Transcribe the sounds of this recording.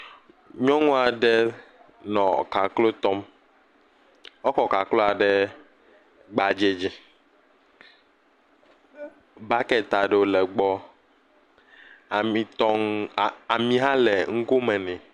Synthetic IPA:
ɲɔ̃˦ŋũ˦a˨ɖɛ˦ | nɔ̃˨ka˨klo˦t̪ɔ˦m | ɔ˦kɔ˨ka˨klo˦a˨ɖɛ˦ | ɡ͡ba˨d͡ʒe˨d͡ʑi˦ | ba˦kɛ˦t̪a˨ɖe˨o˨lɛ˨ɡ͡bɔ˦˨ | mĩ˨t̪ɔ˦ŋ˨a˨mĩ˨ɦa˦lɛ˨ŋ̩˦ko˦mɛ̃˨nɛ̃˨

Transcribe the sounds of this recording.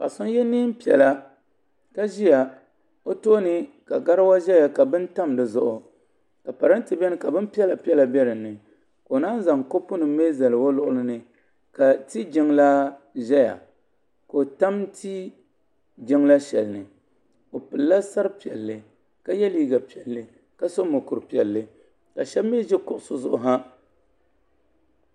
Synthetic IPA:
ka̰˨sʊ˦n˦jɛ˦niː˦m˦pi˨ɛ̰˨la˦ | ka˦ʒi˦ja˨ | o˦toː˦nɨ˦ | ka˨ɡa˦ɾa˦wa˦ʒɛ˦ja˨ka˨bɨ˦n˦ta˦mdɨ˨zʊ˦ʔʊ˨ | ka˨pa˨ɾɨ˦n˦tɨ˨bɛ˦nɨ˦ka˨bɨ˦n˦pi˦ɛ˦la˨pi˦ɛ˦la˨bʲɛ˦ɾɨ˨nːɨ˨ | ko˨na˦n˦za˨ŋko˦pʊ˦nɨ˨m˦me˦za˨lɨ˨wo˦lʊ˦ʔʊ˦lɨ˦nɨ˨ | ka˨ti˦d͡ʒɪ˦ŋla˦ | ʒɛ˦ja̰˨ | ko˨ta˦m˦ti˦ | d͡ʒɪ˦ŋla˦ʃɛ˨lnɨ˨ | o˨pɨ˨lːa˦sa˦ɾɨ˦pi˨ɛ˨lːɨ˨ | ka˦jɛ˦liː˦ɡa˨pi˨ɛ˨lːɨ˨ | ka˦so˦mo˨kʊ˨ɾɨ˨pi˨ɛ˨lːɨ˦ | ka˨ʃɛ˦bmː˦e˦ʒɛ˦kʊ˨ʔʊ˨sʊ˦zʊ˦ʔʊ˨ɦa˦

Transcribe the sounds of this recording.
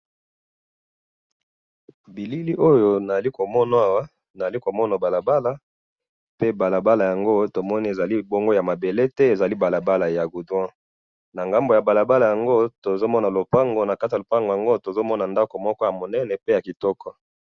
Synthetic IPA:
bi˨li˦li˦ʔo˦jo˦na˨za˨li˦ko˨mɔ˦n˦a˦wa˦ | na˨za˨li˦ko˨mɔ˦na˨ba˨la˨ba˦la˦ | pe˦ba˨la˨ba˦la˨ja˨ŋɡo˦to˨mɔ˦ni˦e˨za˨li˦bo˦ŋɡo˦ja˨ma˨be˨le˦tɛ˦e˨za˨li˦ba˨la˨ba˦la˨ja˨ɡu˨dwã˦ | na˨ŋɡa˦mbo˨ja˨ba˨la˨ba˦la˨ja˨ŋɡo˦to˨zo˦mɔ˦na˨lo˨pa˦ŋɡo˨˦na˨ka˦ta˨lo˨pa˦ŋɡo˨ja˨ŋɡo˦to˨zo˦mɔ˦na˨nda˦ko˨mɔ˦kɔ˦ja˨mo˨nɛ˦nɛ˨pe˦ja˨ki˨tɔ˦kɔ˦

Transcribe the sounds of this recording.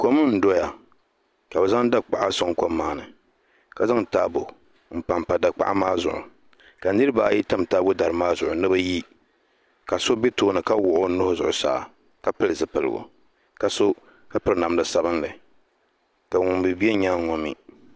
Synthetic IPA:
ko˦mɨ˦n̩˦do˦ja˨ | ka˨bɛ˨za˦ŋ˦da˦k͡pa˨ʔa˦so˨ŋ˨ko˦mːaː˨nɨ˨ | ka˨za˦ŋ˨taː˦bo˨ | m̩˨pa˨mpa˨da˨k͡pa̰˦ʔa̰˦maː˦zʊ˨ʔʊ̰˨ | ka˨nɨ˦ɾɨ˦baː˨˦ji˦ta˦m˨taː˦bo˦da˨ɾɨ˨maː˦zʊ˨ʔʊ˨nɨ˦ba˦ji˦ | ka˨so˦be˦toː˦nɨ˨ka˦wʊ˨ʔʊ˦nʊ˦hʊ˦zʊ̰˨ʔʊ˨sa̰ː˨ | ka˦pɨ˦lɨ˨zɨ˨pɨ˨lɨ̰˨ɡʊ̰˨ | ka˨so˦ | ka˦pɨ˨ɾɨ˨na˨mlɨ˨sa˨bɨ˦nlɨ˨ | ka˨ŋʊ˨m˨bɨ˨bi˦ɛ˦ɲaː˦ŋɔ˦mḭ˦

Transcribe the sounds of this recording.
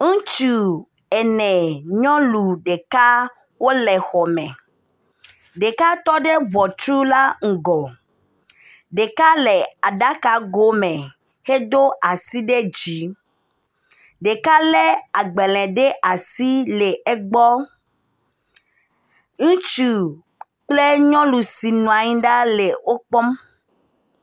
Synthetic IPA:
ŋũ˦t͡ʃu˨ | ɛ˨nɛ̃˨ɲɔ̃˦lu˨ɖe˨ka˦ | wo˦lɛ˨xɔ˨mɛ̃˨ | ɖe˨ka˦t̪ɔ˦ɖe˦βɔ˨t͡ʃɾu˦la˦ŋ̩˨ɡɔ˨ | ɖe˨ka˦le˨a˨ɖa˦ka˨ɡo˦mɛ̃˨ | he˦d̪o˦ʔa˨si˦ɖe˦d͡ʑi˨˦ | ɖe˨ka˦le˦a˨ɡ͡be˨lɛ̃˨ɖe˦ʔa˨si˦le˨e˦ɡ͡bɔ˦ | ŋũ˦t͡ʃu˨ | k͡ple˦ɲɔ̃˦lu˨si˨nũ˨a˨ɲĩ˦ɖa˦le˨wo˦k͡pɔ˦m

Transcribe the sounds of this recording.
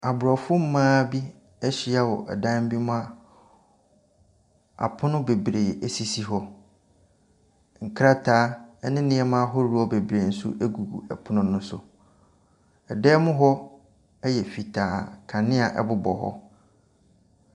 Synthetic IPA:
a˨bʊ˨ɾɔ˨fʊ˦m̩˦mãː˦bi˦ | ɛ˦ɕi˦a˦wɔ˨ʔɛ˨dã˦m˦bi˦mʊ̃˦a˦ | a̰˨pʰʊ̃˦nʊ̃˦be˨bɾe˨æ˨si˨si˦ɦɔ˦ | ŋ̩˨kʰɾa˦tʰaː˦ɛ˦nɪ̃˦nɪ̃˦ɛ˦mã˦ɦɔ˦ɾu˦ɔ˦be˨bɾe˨n̩˦sṵ˦ʔe˦ɡu˨ɡṵ˨ɛ˨pʰʊ˦nʊ̃˦nʊ̃˦sʊ̰˨ | ɛ˨dɛ˦mʊ̃˦ɦɔ˦ | ɛ˦jɛ˨fi˨tʰaː˨kʰã˨nɪ̃˦a˨ʔɛ̰˦bʊ˦bɔ˨ɦɔ̰˦

